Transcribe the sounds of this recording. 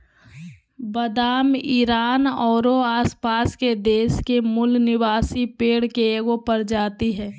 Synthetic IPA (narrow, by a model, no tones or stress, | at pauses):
bəd̪aːmiːɾaːnɔːɾoaːspaːsked̪eːʃkemʊlnɪʋaːsipeːɽkeeɡopəɾd͡ʒaːt̪iɦɛː